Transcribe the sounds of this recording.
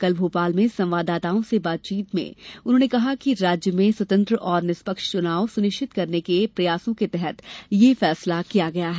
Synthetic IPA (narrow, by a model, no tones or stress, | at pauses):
kɐlbʱuːpaːlmẽsɐ̃mʋaːd̪aːt̪aːõsebaːt̪̚t͡ʃiːt̪mḛ̃ʊnɦõːnekɐɦakiɾaːd͡ʒjəmẽswɐt̪ə̃nt̪ɾəʔɔːɾnɪspəkʃt͡ʃʊnaːosʊnɪʃʈʰɪt̪kɐɾnekepɾɐjaːsõket̪ɛɦɛt̪jefɛːslakijaɡɐjaɦɛ